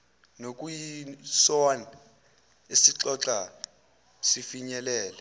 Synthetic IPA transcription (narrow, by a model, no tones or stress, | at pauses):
nok̬ʼujisɔan | esiǁɔǁa | sifiɲɛlɛːlɛ